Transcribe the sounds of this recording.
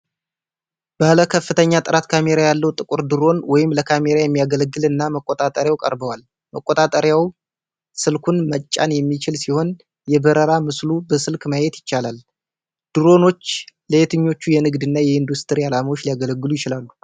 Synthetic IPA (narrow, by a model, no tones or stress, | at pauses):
b̥aləkʰəfːɨt̪ʰəɲːat̪ʼɨɾat̪kʰame̞ɾajalːəwt̪ʼɨkʼuɾd̪ɨɾo̞nwɔjɪmləkʰame̞ɾajɛmːijaɡələɡːɨlɨnːaməkʼːot̪ʼat̪ʼəɾjawkʼə̰ɾbəwal | məkʼot̪ʼat̪ʼəɾjaw | sɨlkʰunmət͡ʃʼːa̰njɛmːit͡ʃɪlsiho̞n | jɛbəɾəɾamɨslubəsɨlkməjɛt̪jɪt͡ʃːalal | d̪̥ɨɾo̞no̞t͡ʃːləet̪ɨɲːo̞t͡ʃːujɛnɨɡd̪ɨnːajɛɨnd̪ust̪ʰɨɾialamawot͡ʃːlijaɡələɡːɨlujɪt͡ʃɪlalːu